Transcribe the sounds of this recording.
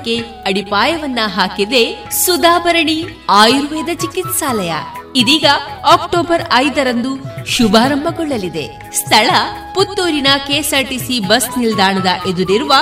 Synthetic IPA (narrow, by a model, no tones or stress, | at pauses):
kːe | ɐɽipaːjɐʋɐnːɐɦaːkid̪e̞sud̪aːbɐɾɐɳiaːjɾuʋɐjd̪ɐt͡ʃikit̪saːlɐjɐ̰id̪iːɡɐaːk̚ʈoːbɐɾɐjd̪ɐɾɐnd̪uʃubaːɾɐmbʱɐɡɔɭːɐlid̪e̞̰ | st̪ʰɐɭɐput̪ːoːɾinɐkeːsɐɾʈisibɐsnild̪aːɳɐd̪ɐʔed̪uɾiɾuʋɐ